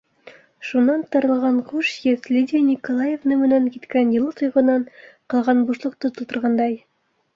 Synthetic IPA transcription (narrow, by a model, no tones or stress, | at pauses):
ʃunɑnt̪ɑɾɤ̆lˠʁɑɴχuʃjɘθlʲid̪ʲinʲikolˠɑjevnɤmɘ̆næŋkit̪kænjɤ̆lˠɤt̪ŏjʁɤ̆nɑɴqɤ̆lˠʁɑnbuʃlˠŏq̚t̪ot̪ɤ̆lˠt̪ŏɾʁɑnd̪ɑj